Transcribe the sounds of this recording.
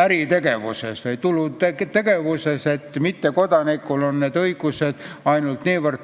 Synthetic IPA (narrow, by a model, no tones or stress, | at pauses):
æɾit̪e̞ɡ̥e̞ʋṵseseit̪ulːut̪et̪ːe̞ɡ̥e̞ʋuseset̪ːmit̪ːekod̪ɑnikːˑulonneːd̪ɤiɡ̥used̪̥ɑjnult̪niːʋərt̪